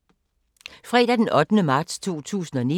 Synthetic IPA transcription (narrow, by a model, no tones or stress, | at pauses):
fʁɛ̰ːd̥æd̥enʔɒ̽d̥nəmɑ̈ːd̥st͡sʰo̝̰ːt͡sʰṵːsn̩ɒ̽ni